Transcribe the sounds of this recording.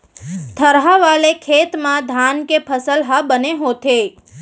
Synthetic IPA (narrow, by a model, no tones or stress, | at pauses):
t̪ʰəɾɦaʋalekʰet̪mãd̪ʱankepʰəsəlɦabəneɦot̪ʰe